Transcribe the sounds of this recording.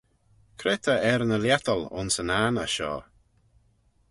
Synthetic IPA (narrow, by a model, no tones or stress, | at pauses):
kʰɾɛt̪ʰəɛɾnəljɛt̪əlʊ̰nsənaːnəʃɔ̰ː